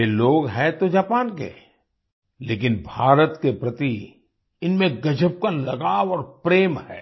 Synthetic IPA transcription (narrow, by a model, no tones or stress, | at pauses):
jeloːɡɦɛt̪od͡ʒaːpaːnkḛ | leːk̬ɪnbʱaːɾət̪kepɾɐt̪i | ɪnmẽɡɐd͡ʒəb̚kalɐɡaːwɔːɾpɾeːmhɛ̰ː